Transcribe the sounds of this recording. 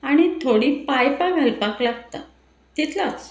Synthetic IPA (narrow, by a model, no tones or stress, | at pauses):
aɽ̃it̪ʰoɽiːpajpaɡʱəlpaklaɡt̪a̰ | t̪it̪ʰlat͡s